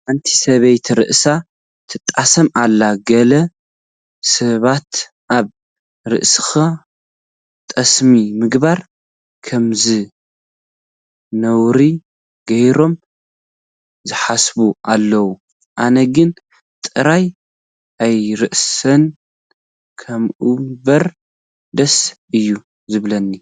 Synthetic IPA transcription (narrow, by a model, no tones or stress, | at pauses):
ʔant̪ʰi̥sɐβejt̪ʰɾɨ̰ʔsa | t̪ʰɨt̪ʼːasɐmalːaɡɐlɐ | sɐβat̪ | ʔaβ | ɾɨ̰ʔsɨ̥xa | t̪ʼɐsmimɨɡβaɾ | kʰɐmzɨ | nɐwɾi | ɡɐjɾo̞m | zɨħasbuʔalːɐwu | ʔanɐɡɨn | t̪ʼɨɾaj | ʔajɾɨʔsɐn | kʰɐmʔubɐɾ | d̪ɐs | ɨjːu | zɨβlɐnːi